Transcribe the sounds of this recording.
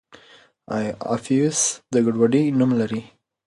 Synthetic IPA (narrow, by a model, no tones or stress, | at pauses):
aja̰fiʊsd̪əɡaɖwaɖinumlaɾi